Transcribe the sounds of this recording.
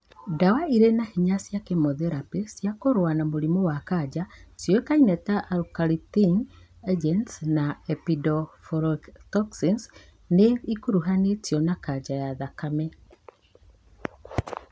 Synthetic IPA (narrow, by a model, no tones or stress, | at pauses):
dawaiɾenahiɲasjakemɔðeɾapesjakoɾwanamoɾimowakad͡ʒasjekainɛtaʔːɾukaɾitiŋ | ed͡ʒɛntsnaepidɔfɔɾɔktɔksins | neikuɾuɦanetjɔnakad͡ʒajaðakamɛ